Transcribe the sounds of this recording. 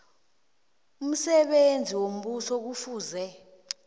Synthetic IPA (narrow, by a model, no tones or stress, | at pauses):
um̩sɛɓend͡zʱiwom̩ɓusɔk̬ufuːzɛ